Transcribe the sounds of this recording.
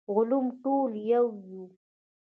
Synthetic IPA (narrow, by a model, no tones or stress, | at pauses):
ɣʊlumʈoljawju